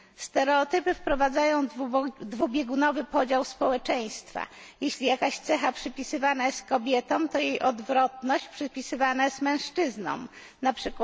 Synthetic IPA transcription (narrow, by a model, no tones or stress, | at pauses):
st̪ɛɾɛɔt̪ɘpɘfpɾɔvad̪zajɔ̃w̃d̪vubʲjɛɡunɔvɘpɔd͡ʑawspɔwɛt͡ʂɛj̃st̪fa̰jeɕlʲijakaɕt̪sɛxapʂɘpʲisɘvanajɛst̪̚kɔbʲjɛt̪ɔ̃w̃t̪ɔjejʔɔd̪vɾɔt̪nɔɕt͡ɕpʂɘpʲisɘvanajɛst̪mɛ̃w̃ʂt͡ʂɘznɔ̰̃m̃ | napʂɘkwa